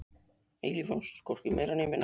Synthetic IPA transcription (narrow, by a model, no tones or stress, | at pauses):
ejlifɔnskʰɔr̥cɪmḛjɾaneːjmɪn